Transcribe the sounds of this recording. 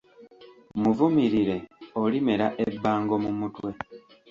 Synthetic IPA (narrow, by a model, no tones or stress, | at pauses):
muvumiɾiɾe̞olime̞ɾaʔebːaːŋɡo̞mumutwe̞